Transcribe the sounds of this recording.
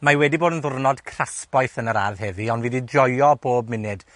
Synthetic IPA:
mawɛdiboːdənðʊrnɔd̥kʰr̥aspajθənəɾa̰rðhɛviɔndviːdidrɔjɔboːb̚mɪnɨd̥

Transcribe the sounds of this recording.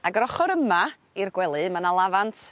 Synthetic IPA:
aɡəɾɔχɔɾəma | irɡwɛlˠɨmanalˠavantʰ

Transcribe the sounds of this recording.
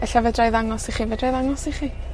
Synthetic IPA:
ɛɬavɛdrajðaŋɔsiχiːvɛdrajðaŋɔsiχiː

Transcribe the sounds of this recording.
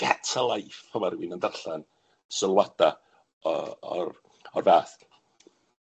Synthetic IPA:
ɡ̥atʰalˠajfʰəmaɾwɪnəndarɬan | səlˠwad̥a | ɔɔ̰r | ɔrvaːθ

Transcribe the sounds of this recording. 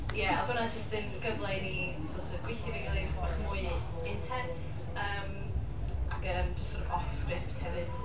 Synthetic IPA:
jɛabənad͡ʒəstənɡəvlˠɛni | sɔtʰəɡwɪθɪðiɡəlˠenfɔχmʊɨ | ɪntʰɛns | əːm | aɡəːmd͡ʒəstɔɾəɔfskrɪp̚thɛvɨd̥

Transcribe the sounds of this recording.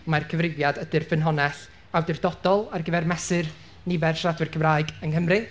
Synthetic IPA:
markʰəvrɪvjadədɨrfɨnɦɔnɛɬ | awdɪrdɔd̥ɔlˠarɡəvɛrmɛsɨr | nɪvɛrʃradwɨrkʰəmraːɨɡənhəmrɨ

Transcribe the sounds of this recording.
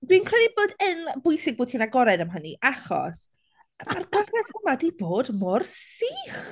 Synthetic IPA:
dwiːnkʰr̥ɛdiboːdənbʊjsɪɡ̚boːtʰiːnaɡɔɾɛdəmɦəniʔaχɔ̰s | marɡəvrɛsəmadejboːdmʊrsiːχ

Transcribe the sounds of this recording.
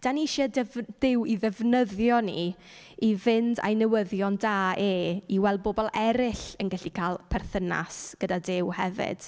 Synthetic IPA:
d̥aniʃɛdɛvd̥ɪwiðɛvnəðjɔnḭ | ivɪnda̰jnɛwəðjɔndaːʔeːiwɛl̚ˠbobɔlˠɛɾɪɬənɡɛɬikʰaːlˠpʰɛrθəna̰sɡ̥ədadɪwhɛvɪ̰d̥

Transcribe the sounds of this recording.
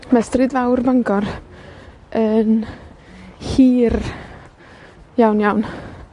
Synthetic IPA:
mastrɨdvawrvaŋɡɔr | ən | hiːr | jawnjawn

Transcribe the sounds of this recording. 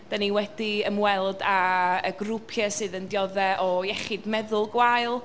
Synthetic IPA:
d̥aniwɛd̥iəmwɛlˠdaəɡrupʰjɛsɨːðəndjɔðɛʔɔjɛχɪdmɛðʊlˠɡwajlˠ

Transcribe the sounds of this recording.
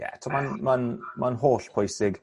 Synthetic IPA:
jɛ̰tʰoːmanmanmanɦoːɬpʰɔjsɪɡ

